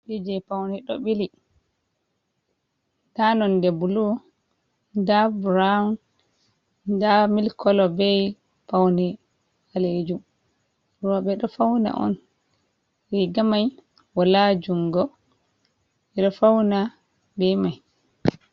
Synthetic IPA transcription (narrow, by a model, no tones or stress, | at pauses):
bid͡ʒɛpawnɛɗɔ̰ɓili | danɔndɛbulu | dabɾan | damilkʰɔlɔbɛj | pawnɛ | aled͡ʒum | ɾɔɓɛɗɔfawna̰ʔɔ̰n | ɾiɡamaj | walad͡ʒuŋɡɔ | ɛɗɔfawna | bɛmaj